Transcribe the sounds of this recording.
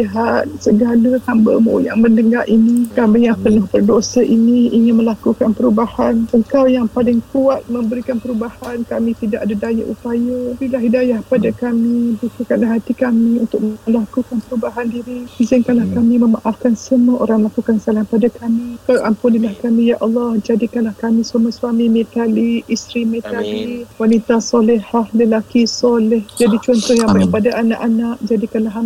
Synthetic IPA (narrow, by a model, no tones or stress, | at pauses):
iɦat̪̚səɡaləhambə̰mo̰jaŋməndəŋarʔinikamijaŋpənʊhbərdosaʔiniiɲɪnməlakukanpəɾubahanəŋkawjaŋpalɪŋkuat̪̚məmbəɾikanpəɾubahankamĩt̪idaʔadadaja̰ʔṵpajəbilaɦidajahpadakamibukəkanlaɦat̪ikamiunt̪ʊk̚məlakukanpəɾubaɦandiɾihizɪnkanlahkamiməmaʔafkansəmuaʔoɾaŋməlakukansalahpadakamikawʔampunilahkamijaʔɑlːɑhd͡ʒadikanlahkamĩswamaswamimɛt̪aliʔist̪ɾimet̪aliwanit̪asɔlihahləlakisɔlɪhd͡ʒadit͡ʃɔnt̪ɔhjaŋbapadaʔana̰ʔanaʔd͡ʒadikanlaɦa